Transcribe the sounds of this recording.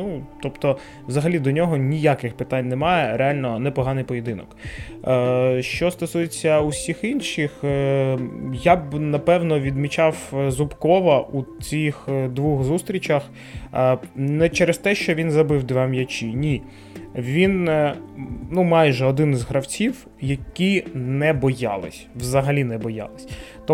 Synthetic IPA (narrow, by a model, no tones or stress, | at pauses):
nut̪ɔpt̪ɔ | wzɐɦɐlʲid̪ɔnʲɔɦɔnʲijakɪxpɪt̪anʲnɛmɑjɛɾealʲnɔnɛpɔɦɑnɪjpɔjed̪ɪnɔ̰kː | ʃt͡ʃɔst̪ɔsujet͡sʲːɐusʲixinʃɪx | jabnɐpɛwnɔʋʲid̪mʲit͡ʃɑwzʊpkɔʋɐʔut͡sʲixd̪ʋuxzust̪ɾʲit͡ʃɐx | nɛt͡ʃɛɾɛst̪ɛʃt͡ʃɔʋʲinzɐbɪwd̪ʋɛmjɐt͡ʃʲinʲi | ʋʲin | numɑjʒɛɔd̪ɪnɪzɦɾɐwt͡sʲiw | jɐkʲinɛbɔjɑ̰lˠɪ̰sʲʋzɐɦɐlʲinɛbɔjɑ̰lˠɪsʲt̪ɔ